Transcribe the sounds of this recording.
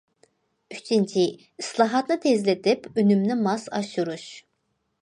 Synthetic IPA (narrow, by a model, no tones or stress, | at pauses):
yt͡ʃʰint͡ʃʰi | islˠɑːɦɑt̪nɯt̪ʰezlet̪ʰɪpynymnimɑsɑ̰ʃuɾuʃ